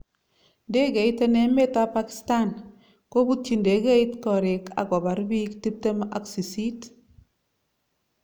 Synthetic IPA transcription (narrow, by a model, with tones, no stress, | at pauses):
nde˦ke˨ite˦ne˦me˦ta˦paki̥˨sta˦n | ko˦bu˦t̚t͡ʃi˨nde˨kɛ˦itkɔ˨ɾe˨kʰa̰˨kɔ˨ba˨˦ɾbi˦kti˦p̚te˦ma˨ksi˨si˦t